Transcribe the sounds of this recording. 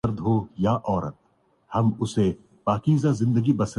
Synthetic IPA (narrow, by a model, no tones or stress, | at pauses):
ɐɾd̪ɦojaʔɔːɾət̪̚ | hɐmʊse | paːkiːzazɪ̃nd̪əɡibɐs